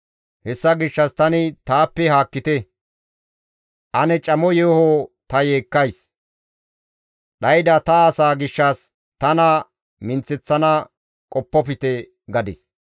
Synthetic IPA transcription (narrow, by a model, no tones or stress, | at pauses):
hɛsːɐɡɪʃːɐst̪ɐnɪt̪aːpːɛɦaːkːɪt̪ɛ | ʔɐnɛt͡ʃʼɐmɔjehot̪ɐjeːkːɐjs | ɗɐjd̪ɐt̪ɐːsaːɡɪʃːɐs | t̪ɐnɐ | mɪnt͡sːɛt͡sːɐnɐ | kʼɔpːɔp̬ɪt̪ɛ | ɡɐd̪ɪs